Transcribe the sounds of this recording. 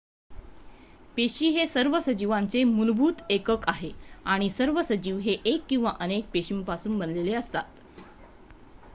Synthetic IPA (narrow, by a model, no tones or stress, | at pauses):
peɕiːɦesəɾʋəsəd͡ʑiʋant͡semulbʱuːt̪ekəkaɦeaɽ̃isəɾʋəsəd͡ʑiːʋɦeʔekːĩw̃ʋaʔənek̚peɕimpasuːnbənleleəst̪at̪